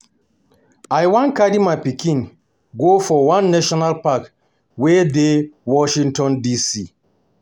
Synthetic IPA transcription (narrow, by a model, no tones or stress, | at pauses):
ajwãnkadimapikʰĩn | ɡofɔwãnːɛʃɔnalpak | wɛdewɔʃĩŋtɔ̃ndisi